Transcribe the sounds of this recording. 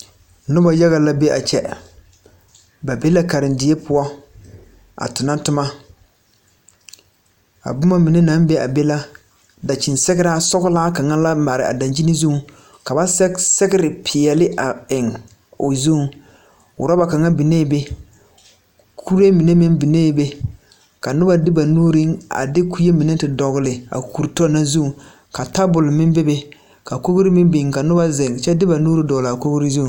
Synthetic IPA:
nʊ˦ba˨ja˦ɣa˨la˦be˦ʔa̰˨t͡ʃɛ̰˦ | ba˨be˦la˦ka˨ɾɪ˨ndɪ˨e˦pʰʊ˦ɔ˦ | a̰˨tʊ˨na˦tʊ˦ma˦ | a̰˨bʊ˦ma˦mi˨ne˦na˦m˦be˦a̰˨be˦la˦ | da˨t͡ʃi˨nsɛ˦ɣɪ˦ɾa˦sɔ˦ɣʊ˦laː˦ka˨ŋa˦la˦ma˨ɾɪ˨ʔa̰˨da˨nd͡ʒi˦ni˦zu˦˨˦ | ka˨ba˦ssɛ˦ɡɪ˦ɾɪ˨pʰɪ˨ɛ˨lɪ˦ʔa˨ɪ˨ŋ | ʊ˨zu˦˨˦ | ʊ̰˨ɾa˦ba˨ka˨ŋa˦bi˨ne˦˨be˦ | kʰu˦ɾe˦mi˨ne˦mɪ˦nbi˨neː˦˨be˦ | ka˨nʊ˦ba˨dɪ˦ba˨nuː˦ɾi˦ŋa̰˨dɪ˦ku˦je˦mi˨ne˦tɪ˨dɔ˨ɣʊ˨lɪ˨a̰˨kʰu˨ɾtɔ˦na˦zu˦˨ | ka˨ta˦bʊ˨lmɪ˦be˦be˦ | ka˨ko˦ɡɾi˦mɪ˦mbi˨ŋka˨nʊ˦ba˦zɪ˨ŋt͡ʃɛ˦dɪ˦ba˨nuː˦ɾi˦dɔː˨la˨ko˦ɡɾi˦zu˦˨

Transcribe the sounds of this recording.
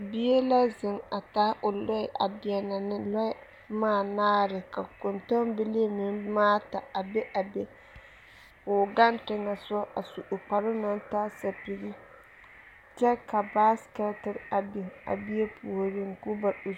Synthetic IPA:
bi˦e˦la˦zɪ˨ŋa˨ta˦ʔʊ˨lɔ˦ɪ˦ʔa̰˨bi˨ɛ˨na˨nɪ˦lɔ˦ɪ˦ | maː˦˨naː˦ɾɪ˨ka˨kʊ˨ntɔ˦mbɪ˦le˦mɪ˨˦n˦maː˦ta˨a˨be˦ʔa˨be˦ | ʊ˨ɡa˦ntɪ˦ŋa˨sɔ˦ʔa˨su˨ʔo˨k͡pa˨ɾʊ˦na˦n˦taː˦sa˨pi˨ɡi˦ | t͡ʃɛ˦ka˨baː˦ska˦tɪ˦ɾa˨bi˨ŋa̰˨bi˦e˦pʰu˨ɾɪ˦ŋ˨ku˦ba˨u˨

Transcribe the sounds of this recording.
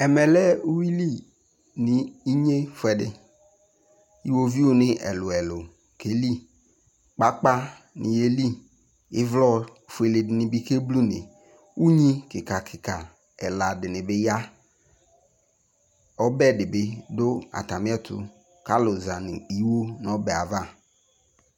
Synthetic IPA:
ɛ˨mɛ˨lɛ˦u˦wi˦li˦ | nɪ˨i˦ɲe˦fɛ˨dɪ˦ | i˦wo˦vi˦o˦nɪ˦ʔɛ̰˨lʊ˨ɛ˨lʊ˨ | kʰe˨li˦ | k͡pa˦k͡pa˦ | nɪ̰˨je˦li˦ | ɪ˦vlɔ˦˨ | fʊ˨e˨le˨dɪ˨nɪ˨bi˦ke˦blu˦nɪ̰˨ | u˦ɲĩ˦kɪ˨ka˨kʰɪ˨ka˨ | ɛ˨la˨dɪ˨nɪ˨bɪ˦ja˦ | ɔ˦bɛ˦˨dɪ˨bɪ˦do˦a̰˨ta˨mɪ˦ɛ˦t̪ʊ̰˦ | ka˦lʊ˨za˨nɪ˨i˦wo˦n˨ɔ˦bɛ˨a˨va˦˨

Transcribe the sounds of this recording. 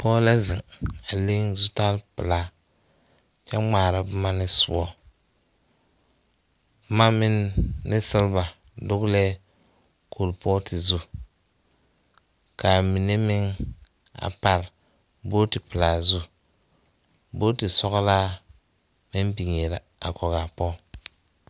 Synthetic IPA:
pɔː˦la˦zɪ˨ŋa˨le˦ŋzʊ˦ta˦lpɨ˨laː˦ | t͡ʃɛ˦ŋ͡maː˨ɾa˦bɨ˦ma˦nɪ˦sʊ̰˦ɔ˦ | bma˦mɪ˦nːɪ˦sɪ˦lba˨ | dʊ˦ɡlɛ˦ | kʰo˨lpʰɔː˦tʰɪ˨zu˦ | kʰa˨mi˨ne˦mɪ˦ŋ | a̰˨pa˨ɾ | bo˦tɪ˨pɨ˨la˨zu˦ | bo˦tɪ˨sɔ˦ɣla˦ | mɪ˦nbi˨ŋ˨e˨la˨ | a̰˨kʰɔ˨ɣa˨pɔ˦

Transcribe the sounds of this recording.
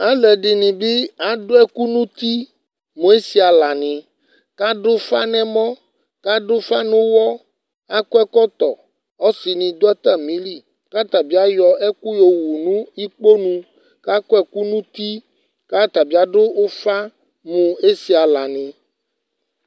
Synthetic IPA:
a˦lɛ˨ɖi˨nĩ˨bi˦a˨ɖo˦ɛ˦ku˦nũ˦t̪i˦ | mõ˨e˦si˨a˨la˨nĩ˨ | ka˦ɖo˦fa˦nɛ̃˨mɔ̃˦ | ka˦ɖo˦fa˦nũ˦wɔ˦ | a˦kɔ˦ɛ˦kɔ˦t̪ɔ˨ | ɔ˦si˨nĩ˨d̪o˦ɛ˦t̪a˦˨mĩ˦li˦ | ka˦t̪a˨bi˦a˦jɔ˨ɛ˦ku˦jo˨wu˨nũ˦i˦k͡po˦nũ˦ | ka˦kɔ˦ɛ˨ku˦nũ˦t̪i˦ | ka˦t̪a˨bi˦a˨˦ɖo˦o˦fa˦ | mũ˨e˦si˨a˨la˨nĩ˨

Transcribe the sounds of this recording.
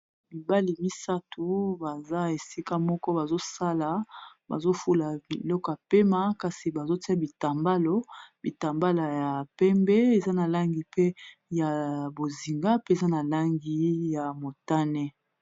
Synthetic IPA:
bi˨ba˦li˨mi˦sa˦tʰu˨ba˨za˦e˨si˦ka˦mɔ˦kɔ˦ba˨zo˦sa˦la˨ba̰˨zo˦fu˦la˨bi˨lɔ˦kɔ˨ja˨pe˦ma˦ka˨si˨ba˨zo˦ti˦a˦˨bi˨ta˨mba˦lo˦bi˨ta˨mba˦la˨ja˨pɛ˦mbɛ˦e˨za˦na˨la˦ŋɡi˨pe˦ja˨bo˨zi˨ŋɡa˦pe˦e˨za˦na˨la˦ŋɡi˦ja˨mo˨ta˦nɛ˦

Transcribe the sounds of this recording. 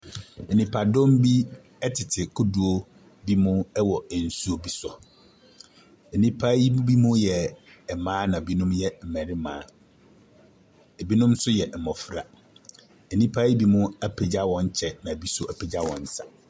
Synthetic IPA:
nĩ˨pʰa˨dʊ̃˦m˦bi˦ | ɛ˦tʰɪ˨tʰɪ˨kʰʊ˦du˨o˦ | bi˦mʊ̃˦ɛ˦wɔ˨ɛ˨n̩˦su˦o˦bi˦sɔ˨ | nĩ˦pʰa˦i˦bi˦mʊ̃˦jɛ˨ | ɛ˨mãː˦nã˨bi˦nʊ̃˦mjɛ˨m̩˨mɛ̃˨ɾɪ˦mã̰ː˨˦ | ɛ˨bi˦nʊ̃˦msʊ˦jɛ˨m̩˨mɔ˨fɾa̰˨ | ɛ˨nĩ˦pʰa˦i˦bi˦mʊ̃˦æ˦pʰe˨d͡ʑa˦wɔ̃˨ɲ˦t͡ɕʰɛ˨nã˨bi˦sɔ˦ʔæ˨pʰe˨d͡ʑa˦wɔ̰̃˨n̩˨˦sa˨

